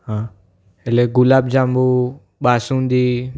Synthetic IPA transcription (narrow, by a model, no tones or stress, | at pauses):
ɦã | eleɡʊlaːbd͡ʒãmbu | ɓaːsũnd̪iː